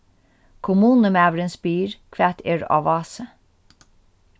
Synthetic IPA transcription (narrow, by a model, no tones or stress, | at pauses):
kʰʊmuːnəmæːʋɾənsbiːɹkʰʋæt̪ʰeɹɑ̰ʋɑːsə